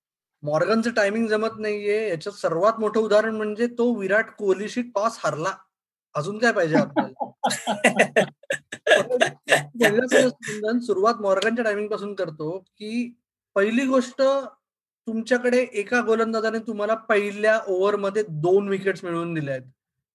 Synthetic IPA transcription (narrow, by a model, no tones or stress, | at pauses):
mɔɾɡant͡səʈajmiŋɡd͡zəmət̪naɦijejat͡ɕasəɾʋat̪moʈʰəud̪ʱaɾəɳm̤əɳd͡zet̪oʋiɾaʈʰkoliɕiːʈpɔshaɾla | əsuːnkajpaɦid͡ʑeap̚lal | ət̪əməɽilasəəsmənd̪ənsuɾuʋat̪mɔɾɡaɲt͡ɕjaʈajmiŋɡ̚pasuːnkəɾt̪okiː | pəɦiliːɡoʂʈə | t̪umt͡ɕjakəɽeʔekaɡolənd̪ad͡z̪anãit̪um̤alapəɦiljaʔoʋəɾməd̪ʱːjed̪onʋikeʈsmiɭuːnd̪ilajt̪